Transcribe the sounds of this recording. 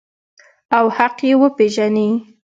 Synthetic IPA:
awhaqjewəpeʒani

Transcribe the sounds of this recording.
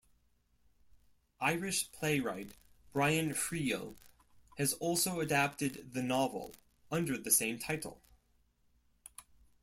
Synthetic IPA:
ʔaɪɹɨʃpʰl̥eɪɹaɪt̚b̥ɹaɪɨ̃nfɹio̰ʊ | hɨzɔlˠsoʊɨdæp̚tɨd̪̚ðɨnɑvl̩ˠ | ʌ̃ndə˞ðɨsẽɪ̃mtʰaɪɾl̩ˠ

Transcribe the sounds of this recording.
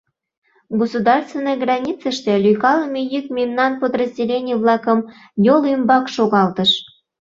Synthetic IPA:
ɡosud̪ɑrst̪venːəjɡrɑnʲit͡səʃt̪elʲyjkɑləmʲejykmʲimnɑnpod̪rəzʲdʲelʲenʲijβlɑkəm | jolymbɑkʃoɣɑlt̪əʃ

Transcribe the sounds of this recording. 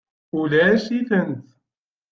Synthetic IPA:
ulæʃiθənθ

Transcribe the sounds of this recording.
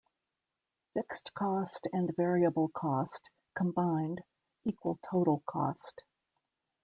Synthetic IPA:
fɪkstkʰɔstɨ̃nvɛɹiɨbl̩ˠkʰɔst | kʰə̃mbãɪ̃nd | ikwəl̩ˠtʰoʊɾl̩ˠkʰɔ̰st

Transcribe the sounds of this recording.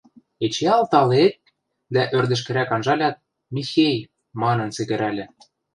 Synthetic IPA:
et͡ɕeɑlˠt̪ɑlek̪̚ | d̪æʔørd̪ɘ̆ʃ̬kɘ̆ɾækɑnʒɑlʲɑt̪̚ | mʲixʲej | mɑnɤ̆nsĕkɘ̆ɾælʲɘ̆

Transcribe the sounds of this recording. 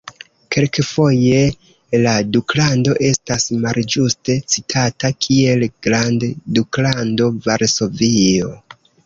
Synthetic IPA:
kʰe̞lkefo̞je̞ | laduklando̞ʔe̞stasmald͡ʒuste̞t͡sitʰatakʰie̞lɡ̥ɾandduklando̞vaɾso̞vio̞

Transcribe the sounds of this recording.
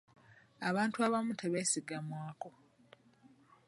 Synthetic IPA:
aβaːntuaβamutʰe̞βe̞siɡamwaːko̞

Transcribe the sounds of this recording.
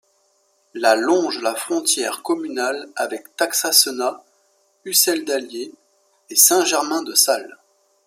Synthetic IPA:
lalɔ̃ʒlafχɔ̃t̪jɛʁkɔmynalavɛkt̪aksasəna | ysɛld̪aljeː | sɛ̃ʒɛʁmɛ̃d̪əsal

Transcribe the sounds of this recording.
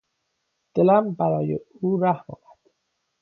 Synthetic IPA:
d̪̥elæmbæɾɒːjḛ | uːɾæhmɒ̰ːbæd̪̥

